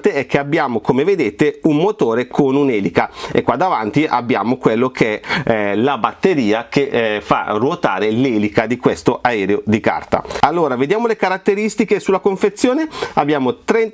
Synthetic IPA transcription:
t̪eɛk̟ːeabːjaːmokomeved̪eːt̪eummot̪oːɾekʰonunɛːlikaḛkːwad̪avant̪iʔa̰bːja̰ːmokwelːokʰeɛlabat̪ːeɾiːakefa̰rwot̪a̰ːɾelɛːlikad̪ikwest̪oʔaɛːɾeod̪ika̰rt̪a̰alːoːɾaved̪jaːmolekaɾat̪ːeɾist̪ikesulːakoɱfet̪sːjoːneabːjaːmot̪ɾɛn

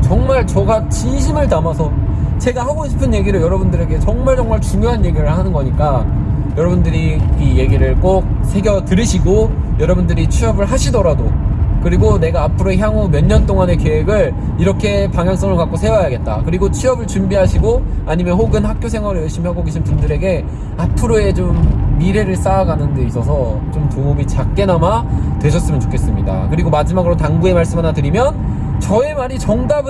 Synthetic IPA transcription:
t͡ɕʌŋmaɭt͡ɕʌɡat͡ɕinɕʰimɯɭtamasʰʌ | t͡ɕe̞ɡahaɡoɕʰi̥pʰɯnje̞ɡiɾɯɭjʌɾʌbundɯɾe̞ɡe̞t͡ɕʌŋmaɭt͡ɕʌŋmaɭt͡ɕumjʌɦanje̞ɡiɾɯɭhanɯnɡʌɲik͈a | jʌɾʌbundɯɾiːje̞ɡiɾɯɭk͈ok̚ | sʰe̞ɡjʌtɯɾɯɕʰiɡo | jʌɾʌbundɯɾit͡ɕʰɥiʌbɯɭɦaɕʰidʌɾadokɯɾiɡone̞ɡaːpʰɯɾoeçjaŋumjʌɲːʌnt͈oŋane̞keweɡɯɭ | iɾʌkʰe̞paŋjaŋs͈ʌŋɯɭkak͈osʰe̞wʌjaɡe̞t̚t͈a̰kɯɾiɡot͡ɕʰiʌbɯɭt͡ɕumbiɦaɕʰiɡoaɲimjʌnhoɡɯnhak͈josʰe̞ŋwaɾɯɭjʌɭɕ͈imiɦaɡoɡeɕʰinbundɯɾe̞ɡe̞ | apʰɯɾoe̞t͡ɕomːiɾe̞ɾɯɭs͈aːɡanɯnde̞is͈ʌsʰʌt͡ɕomtoumit͡ɕak̚k͈e̞namatwe̞ɕʰʌs͈ɯmjnt͡ɕo̥kʰe̞s͈ɯmɲida̰kɯɾiɡomad͡ʑimaɡɯɾotaŋɡue̞maɭs͈ɯmɦanatɯɾimjʌn | t͡ɕʌe̞maɾit͡ɕʌŋdab

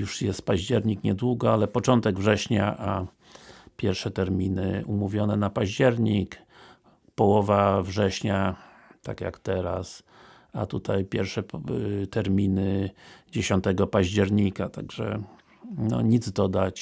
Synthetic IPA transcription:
juʂjɛst̪̚paʑd͡ʑɛɾɲikɲɛd̪wuɡɔalɛpɔt͡ʂɔnt̪ɛɡvʐɛɕɲaʔa | pʲjɛɾʂɛt̪ɛɾmʲinɘ̰umuvʲjɔnɛnapaʑd͡ʑɛɾɲik | pɔwɔvavʐɛɕɲa | t̪akja̰kt̪ɛɾa̰s | at̪ut̪ajpʲjɛɾfʂɛt̪ɛɾmʲinɘd͡ʑeɕɔnt̪ɛɡɔpaʑd͡ʑɛɾɲikat̪aɡʐɛ̰ | nɔ̰ɲid̪zd̪ɔd̪at͡ɕ

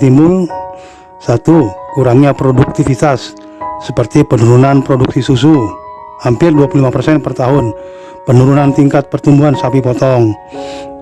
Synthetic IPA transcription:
t̪imʊl | sat̪ukuɾaŋɲapɾoduk̚t̪ifit̪asː | əpərt̪ipənuɾunanpɾoduk̚sisus̬u | hampɪrduapululimapərsɛnpərt̪aɦʊn | pənuɾunant̪iŋkat̪̚pərt̪umbuɦansapipɔt̪ɔŋ

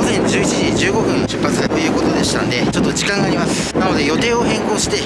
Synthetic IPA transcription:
ozẽ̞ɲ̟d͡ʑɨːi̥t͡ɕiʑid͡ʑɨːɡo̞ɸɯ̟̃ɰ̃ɕɨ̥pːat͡sɨ̥ait̪o̞jɯ̟ːko̞t̪o̞d̪e̞ɕi̥t̪a̰nd̪e̞t͡ɕo̞t̪ːo̞d͡ʑikãŋɡaːɾʲimasɨ̥nano̞d̪e̞jo̞t̪e̞ːo̞ɦẽ̞ŋko̞ːɕi̥t̪e̞

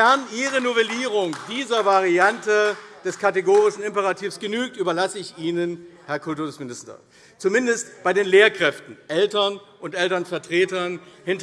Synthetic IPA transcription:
ɛɐnʔiːʁənovɛliːʁ̞ʊŋd̥iːzɐvaʁiantəd̥ɛskʰateɡoːʁɪʃn̩ɪmpɛʁatʰiːfsɡ̥ənyːk̚tyːbɐlasəɪçiːnənhɛɐkʰʊltuɐsmɪnɪstɐ̰ | t͡sumɪndəstb̥aɪdeːnleːɐkʁ̥ɛftn̩ʔɛltɐn | ʔʊntʔɛltɐnfɛɐtʁ̥eːtɐnhɪnt

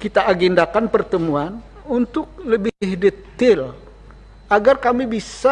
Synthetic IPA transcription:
kit̪aʔːɡɛndakanpərt̪əmuan | unt̪ʊk̚ləbɪhdət̪ɪl | ʔaɡarkamibisa

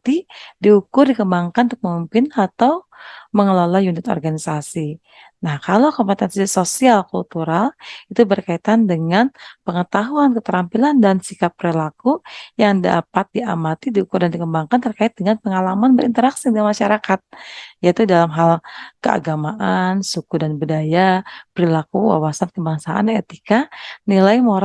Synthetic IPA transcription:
t̪idiukʊrdikəmbaŋkanunt̪ːʊk̚məmimpɪnat̪awməŋəlolajunɪt̪ɔ̰rɡanisasi | nahkalowkompɛt̪ɛnsisosialkult̪uɾalit̪ubərkait̪andəŋanpəŋət̪aɦuankət̪əɾampilandansikapːɾilakujaŋda̰pat̪̚dia̰mat̪idiukurdandikəmbaŋkant̪ərkaɪt̪̚dəŋanpəŋalamanbəɾint̪əɾaksidəŋamaʃaɾakat̪̚jait̪udalamɦalkəa̰ɡamaʔansukudanbədajapəɾilakuwa̰wasankəbaŋsaʔa̰net̪ikanilajmoɾ

